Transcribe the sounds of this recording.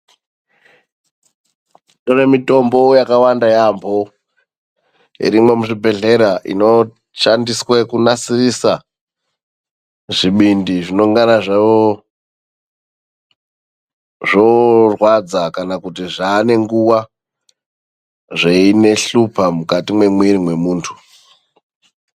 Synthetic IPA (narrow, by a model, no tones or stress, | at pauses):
toremito̞mbo̞jakawandajambʰʱo | ḭɾimwe̞muʐibʱe̞ɮe̞ɾaʔḭno̞ | ʃandiswekunasirisa | ʐiɓindiʐino̞ŋɡanaʐaʋo | ʐo̞rwad͡zakanakutiʐaːne̞ŋɡuwa | ʐe̞ine̞ɬupʰamukatimwe̞mwiɾimwe̞muːntʰu̥